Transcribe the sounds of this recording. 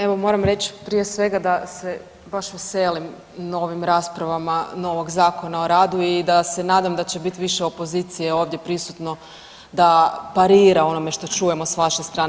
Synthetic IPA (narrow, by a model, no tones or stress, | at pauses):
eʋo̞mo̞ɾamɾet͡ɕpɾijesʋe̞ɡad̪ase | baʃʋeselim | no̞ʋimɾaːspɾaʋamano̞ʋo̞ɡzaːko̞nao̞ɾaːd̪uid̪ase̞naːd̪amd̪at͡ɕebit̪iʋiʃeo̞po̞ziːt̪sijeo̞ːʋd̪je̞pɾisut̪no̞ | d̪apaɾiːɾao̞no̞me̞ʃt̪o̞t͡ʃuːje̞mosʋaʃest̪ɾaːn